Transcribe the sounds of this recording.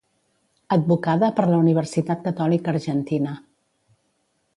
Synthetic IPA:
əd̪̚bukaðəpəɾləuniβ̞əɾsit̪at̪̚kət̪ɔlikəːɾʒənt̪inə

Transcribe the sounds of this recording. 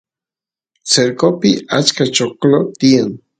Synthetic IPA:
t͡seɾkopiat͡ʃkat͡ʃoklot̪ian

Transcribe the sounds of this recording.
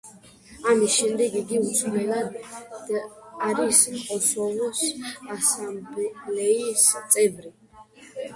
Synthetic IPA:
amisʃɛmd̪ɛɡiɡiusʰlɛlad̪ | aɾismqʼɔsɔvɔsasambblɛist̪sʼɛbɾi

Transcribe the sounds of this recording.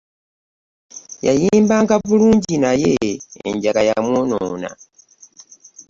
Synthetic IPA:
ja̰jiːmbaŋɡaβuluːɲɟinajeḛɲɟakajamwonoːna̰

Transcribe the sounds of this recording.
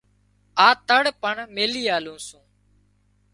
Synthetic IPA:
aːt̪əɽpəɳmeːliːaːlũːsũː

